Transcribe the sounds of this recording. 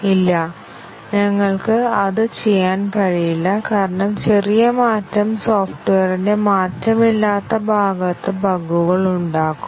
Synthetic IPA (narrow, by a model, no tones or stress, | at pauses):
ilːɐ | ɲɐŋːɐɭkɨɐðɨt͡ɕejːaːnkɐɻijilːɐkaːɾɐɳɐmt͡ɕe̞rijɐmaːtːɐmsoːfʈuʋejɐrinde̞maːtɾɐmilːaːt̪ːɐbʱaːɡɐt̪ːɐbɐɡːuɣɐɭuɳɖaːkːu̥m